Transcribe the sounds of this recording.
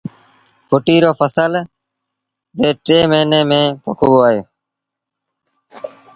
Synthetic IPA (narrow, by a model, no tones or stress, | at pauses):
fʰʊʈiːɾoːfəsəl | beːʈɾeːmeːneːmẽːpo̰kʰoboːaːɦoː